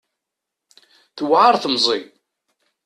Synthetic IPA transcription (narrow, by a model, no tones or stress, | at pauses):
θəwʕaɾˤθəmzˤi